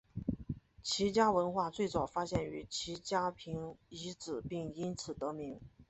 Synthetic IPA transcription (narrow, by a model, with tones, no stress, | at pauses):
t͡ɕʰi˧˥t͡ɕja˥wə˧˥nxwa˥˧t͡swe˥˩ɪt͡sɑ˨˩ʊfa˥ɕjɛ˥˩ny˧˥t͡ɕʰi˧˥t͡ɕja˥pʰi˧˥ŋi˧˥t͡sɹ̩˨˩pi˥˩ŋi˥nt͡sʰɹ̩˨˩t̪ɤ˧˥mi˧˥ŋ